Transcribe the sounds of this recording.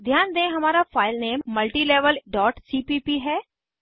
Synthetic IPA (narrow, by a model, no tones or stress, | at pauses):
d̪ʱjaːnd̪ẽɦɐmaːɾafaːɪlneːmːɐlʈiːleːʋəlɖɔːʈsiːpiːpiɦɛː